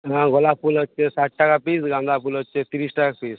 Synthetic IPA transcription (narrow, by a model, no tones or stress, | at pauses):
ɦãɡolapulot͡ʃesaʈ̚ʈakapisɡãnd̪apulot͡ʃʰet̪iɾisʈakapis